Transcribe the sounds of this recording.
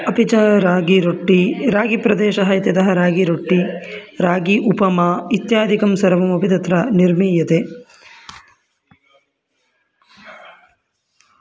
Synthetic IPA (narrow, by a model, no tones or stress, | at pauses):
ɐpit͡ʃɐɾaːɡiɾoʈːiɾaːɡipɾɐd̪eːʃɐɦɐjɐt̪jɐd̪ɐɦɐɾaːɡiɾoʈːiɾaːɡiʔupɐmɐit̪jaːd̪ʱikɐmsɐɾɐʋɐmɐpit̪ɐt̪ɾɐniɾmiːjɐt̪e